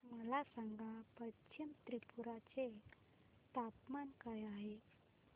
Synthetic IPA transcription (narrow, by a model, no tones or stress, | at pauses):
məlasaŋɡapət͡ʃimt̪ɾipʰuɾat͡ʃe | t̪apmankajaɦe